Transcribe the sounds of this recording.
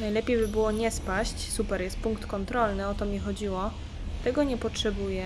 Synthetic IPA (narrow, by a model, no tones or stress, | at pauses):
najlɛpʲjejbɘbɘwɔɲɛspaɕt͡ɕsupɛɾjɛst̪̚puŋkt̪kɔnt̪ɾɔlnɘɔt̪ɔmʲixɔd͡ʑiwɔ | t̪ɛɡɔɲɛpɔtʂɛbujɛ